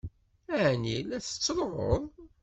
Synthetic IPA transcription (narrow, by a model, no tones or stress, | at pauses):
æʕnilæθə̥t͡sːɾˤəʁo̰ðˤ